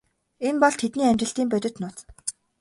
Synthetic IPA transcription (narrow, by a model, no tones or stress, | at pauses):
enpɔɮt̪ʰet̪niːamʲt͡ɕɪ̆ɬt̪iːmpœt̪ʲɪ̆t̪nʊːt͡s